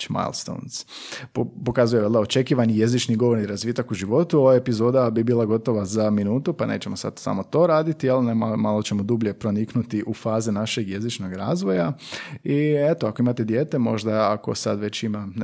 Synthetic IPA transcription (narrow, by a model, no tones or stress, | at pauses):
ma̰lˠst̪o̰ns | popo̞kazujeʋeld̪aot͡ʃe̞kiːʋanije̞zit͡ʃniɡo̞ʋoɾniɾazʋiːt̪akuʒiʋo̞t̪uo̞ʋaepizo̞ːd̪abibiːlˠaɡo̞t̪o̞ʋazaminuːt̪upane̞̰ːt͡ɕe̞mosa̰d̪sa̰mo̞t̪o̞ɾaːd̪it̪ijalnemamalˠo̞t͡ʃe̞mo̞d̪ubʎe̞pɾo̞niknut̪iʔufaːzinaʃe̞ɡje̞zit͡ʃno̞ɡɾa̰ːzʋojaiet̪oako̞imat̪e̞d̪je̞ːt̪e̞mo̞̰ʒd̪aako̞̰sa̰d̪ʋe̞t͡ɕima